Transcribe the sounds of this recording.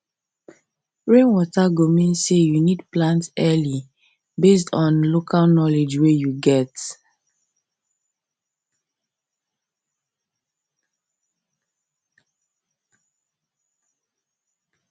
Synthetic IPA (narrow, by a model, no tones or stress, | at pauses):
ɹẽnwɔtaɡomĩnsejunidplãntsɛli | bes̬tʰɔ̃nlokʰalnɔled͡ʒwɛjuɡɛt